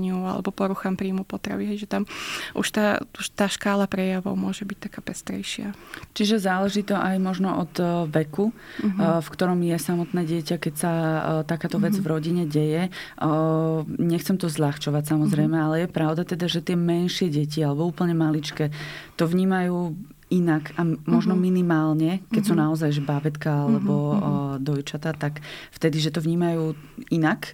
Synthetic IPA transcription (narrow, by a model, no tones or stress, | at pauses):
ɲɪua̰lɛ̰bɔpɔɾuxampɾiːmupɔt̪ɾa̰ʋiɦɛjʒɛt̪amʔṵʃt̪a̰ːuʃt̪aːʃkaːlapɾɛjaʋɔ̰ʊmʊɔʒɛbic̚t̪akaːpɛst̪ɾɛ̰jʃɪa̰t͡ʃiʒɛzaːlɛʒiːt̪ɔʔajmɔʒnɔʔɔd̪ʋɛku | fkt̪ɔɾɔmjɛsamɔt̪nɛːɟɪɛcakɛcsat̪akaːt̪ɔʋɛd͡zvɾɔɟiɲɛɟɛjɛ | ɲɛxt͡sɛmt̪ɔzʎaxt͡ʃɔʋacsamɔzɾɛjmɛalɛjɛpɾaʊd̪at̪ɛd̪aʒɛt̪ɪɛmɛnʃɪɛɟɛcialɛbɔuːpl̩ɲɛmalit͡ʃkɛt̪ɔʋɲiːmajuː | inakamɔʒnɔminimaːlɲɛkɛcsuːnaɔzajʒɛbabɛt̪kaalɛbɔd̪ɔjt͡ʃat̪at̪akft̪ɛd̪iʒɛt̪ɔvɲiːmajuːinak